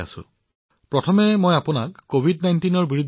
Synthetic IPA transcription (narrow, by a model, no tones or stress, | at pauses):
a̰sʊ̰̃ | pɹɔtʰɔmɛmɔjapʊnakːobʱidnajntinɔɹbiɹud̪ʱ